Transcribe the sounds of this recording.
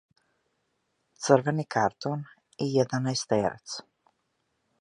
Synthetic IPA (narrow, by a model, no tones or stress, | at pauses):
t̪sər̩vɛnikʰaɾt̪on | ijɛd̪anajst̪ɛɾɛ̰t̪s